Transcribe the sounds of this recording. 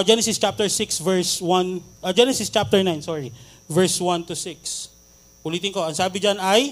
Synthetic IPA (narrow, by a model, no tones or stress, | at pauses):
d͡ʒɛnɛsɪst͡ʃap̚t̪ɛɹsɪksvɛɹswanʔɐd͡ʒɛnɛsɪst͡ʃap̚t̪ɛɹnajnsɔːɹi | vɛɹswɐnt̪ʊsɪks | ʔʊliːt̪ɪŋkoɐŋsaːbɪd͡ʒanɐj